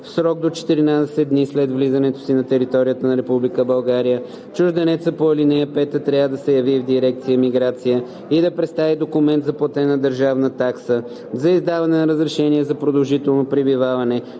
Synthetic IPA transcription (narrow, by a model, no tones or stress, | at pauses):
fsɾɔɡ̚d̪ot͡ʃɛ̥t̪iɾinad̪ɛsɛd̪̚d̪nislɛd̪vlizɐnɛt̪o̥sinɐt̪ɛɾit̪ɔɾijət̪ənɐɾɛpublikəbɐlˠɡaɾijə | t͡ʃuʒd̪ɛnɛt̪səpoɐlinɛjəpɛt̪ət̪ɾʲavəd̪ɐsɛjɐvivd̪iɾɛk̚t̪sijəmiɡɾat̪sijə | id̪ɐpɾɛt̪st̪avid̪okʊmɛnt̪zɐplˠɐt̪ɛnɐd̪əɾʒavnət̪aksə | zɐizd̪avɐnɛnɐɾəzɾɛʃɛniɛzɐpɾod̪ɐlˠʒit̪ɛlˠnopɾibivavɐnɛ